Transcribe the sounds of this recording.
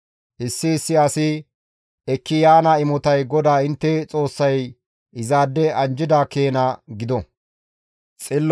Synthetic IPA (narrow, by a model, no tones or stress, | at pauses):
ʔɪsːɪːsːɪɐsɪ | ɛkːɪjaːnɐɪmɔt̪ɐjɡɔd̪aːɪnt̪ːɛt͡sʼo̞ːsːɐj | ɪzaːd̪ːɛʔɐnd͡ʒɪd̪aːkeːnɐɡɪd̪ɔ | t͡sʼɪlː